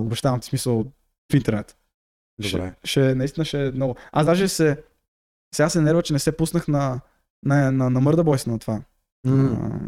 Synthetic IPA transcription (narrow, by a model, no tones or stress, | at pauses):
obɛʃt̪avɐmt̪i̥smisəlˠ | fint̪ɛɾnɛt̪ | d̪ʃbɛ̰ʃɛnɐist̪inəʃɛmnɔɡʊasd̪aʒɛsɛ | sɛɡasɛnɛɾvət͡ʃɛnɛsɛpusnəxnɐ | nɐnɐnɐmɤɾd̪əbɔjsənɐt̪va̰